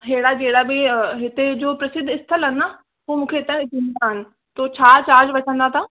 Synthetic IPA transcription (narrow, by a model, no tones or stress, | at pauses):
ɦeːɽad͡ʑeːɽabɪɦɪt̪ed͡ʑoːpɾɐsɪd̪ʱːɪst̪ʰəlɦɐna | ɦumũːkʰeɪt̪ə̃ɪtĩnd̪aɦɪnɪ̆ | t̪ot͡ɕʰaːt͡ɕaːɾd͡ʑʋɐt͡ʃʰə̃nd̪at̪ʰaː